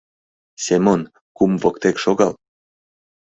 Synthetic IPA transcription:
sʲemon | kumvɤkt̪ekʃoɣɑl

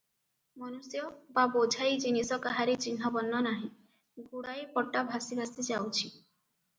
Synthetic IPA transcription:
mɔnusjɔbabod͡ʒʱajd͡ʒinisɔkaɦaɾit͡ʃinɦɔbɔnːɔnaɦĩ | ɡuɽajpɔʈːabʱasibʱasid͡ʒawt͡ʃʰi

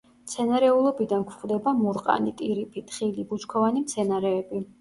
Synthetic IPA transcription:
mt̪sʰɛnaɾɛulˠɔbid̪ankʰχʼvd̪ɛbamuɾqʼa̰nit̪ʼiɾipʰit̪ʰʼχilibut͡ʃkʰɔvanimt̪sʰɛnaɾɛːbi

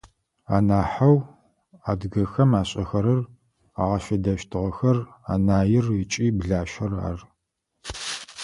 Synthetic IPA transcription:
aːnaːħaw | aːdɡɐxɐmaːɕʼɐxɐɾɐr | aːʁɐʃɐdɐʃtʰɨʁɐxɐra̰ːnaːjɪrɪt͡ʃʼiːbɮaːʃɐra̰ːr

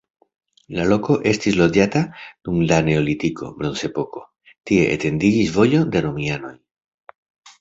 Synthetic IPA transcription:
lalo̞ko̞ʔe̞stislo̞d͡ʒatad̥umdane̞olitikʰo̞̰bɾo̞nse̞po̞ko̞ | tie̞ʔḛte̞ndid͡ʒisvo̞jo̞de̞ɾomiano̞j

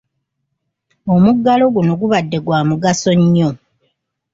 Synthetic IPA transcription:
omuɡːalo̞ɡuno̞ɡuβadːe̞ɡwaːmuɡaso̞ɲːo̞

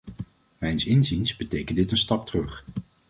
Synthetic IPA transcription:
mɛjnsɪnzinsbətejkəndɪtənstɑp̚trɵχ

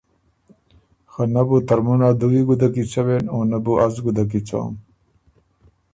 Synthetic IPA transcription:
xɐnɐbut̪ɐɾmunaːd̪uɡiɡud̪ɐk̬it͡ɕɐwenoːnɐbuʔɐzɡud̪ɐk̬it͡ɕo̰ːm

